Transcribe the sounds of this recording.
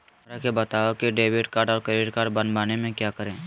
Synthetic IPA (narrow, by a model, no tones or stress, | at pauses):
ɾakebɐt̪aːokeɖeːʋɪʈkaːɾɖɔːɾkəɾiːɾkaːʈbɐnbaːnemẽkjaːkəɾẽː